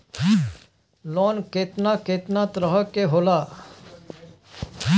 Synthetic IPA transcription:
loːnkeːt̪naːkeːt̪naːt̪ɾəɦəkeɦoːlaː

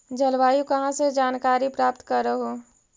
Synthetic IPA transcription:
d͡ʒʱɐlʋaːjũkɐɦãsed͡ʒaːnkaːɾipɾaːp̚t̪kɐɾːəɦo

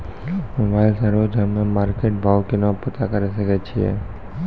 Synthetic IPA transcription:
mobʱajlsəɾod͡ʒɦəmemaɾkeʈ̚bʱaʋkenopət̪akəɾiʃəket͡ʃʰiḛ

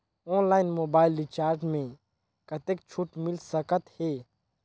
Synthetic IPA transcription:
ɔːnlaːɪnmoːbaːɪlːɪt͡ʃaːɾʈmẽ | kɐt̪ek̚t͡ʃʰuʈmɪlsəkət̪heː

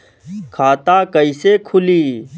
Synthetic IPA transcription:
kʰaːt̪aːkəiseːkʰʊliː

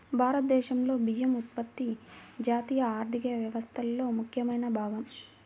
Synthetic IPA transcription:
bʱaːɾɐt̪̚d̪ɛːʃɐmlo̞ːbijɐmut̪̚pɐt̪ːid͡ʒaːt̪iːjɐaːɾd̪ʱikɐɐʋjɐʋɐst̪ʰɐlːo̞ːmukʰjɐmɐjnɐbʱaːɡɐm

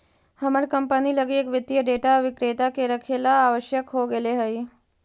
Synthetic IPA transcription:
həməɽkəmpəniləɡiekʋət̪ːjəɖeːʈaʋɪkɾet̪akeɾəkʰelaːʋəʃjəkɦoɡeleɦəi

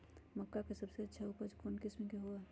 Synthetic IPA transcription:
mɐkːakesɐbseɐtːʃʰauːpəɾd͡ʒkoːnkɪsmẽkeɦoaɦɛ

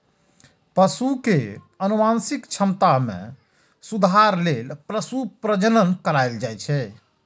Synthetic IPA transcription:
pəsuke | ənumansikt͡ʃʰəmt̪amḛ̃ | sud̪ʱaɾlelpɾəsupɾəd͡ʒənənkəɾajld͡ʒajt͡ʃʰɛ

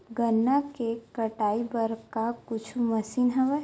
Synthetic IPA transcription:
ɡənːakekəʈaːibəɾkakʊt͡ʃʰuməsiːnɦɛʋɛ

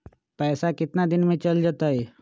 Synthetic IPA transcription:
pɛːsakɪt̪nad̪ɪnmẽt͡ʃəld͡ʒat̪ae

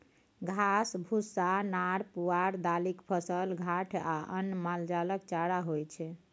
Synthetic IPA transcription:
ɡʱasbʱusanaɽpuaɾd̪alikpʰəsəlɡʱaʈʰaʔə̰nmald͡ʒaləkt͡ʃaɽaɦojt͡ʃʰɛ

